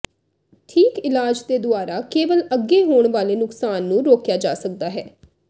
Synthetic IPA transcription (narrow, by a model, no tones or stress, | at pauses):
ʈʰiːkɪlaːd͡ʒd̪eːd̪ʊaːɾaːkeːʋələɡːeːɦoːɳʋaːleːnʊksaːnːũːɾoːkjaːd͡ʒaːsəkd̪aːɦɛː